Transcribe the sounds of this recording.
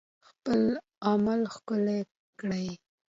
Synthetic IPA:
xpəl | amalxkʊle | kɽaj

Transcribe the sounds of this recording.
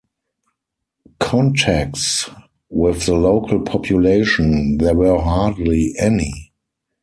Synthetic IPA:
kʰɔ̃ntʰæk̚ts | wɪθðəloʊkʰəlpʰɔpʰjuleɪʃə̃nðɛwɜɦaːdliʔɛnḭ

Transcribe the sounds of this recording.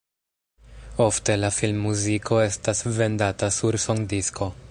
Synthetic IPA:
o̞fte̞lafilmːuzikʰo̞e̞stasve̞ndatasuɾsoŋdiskʰo̞

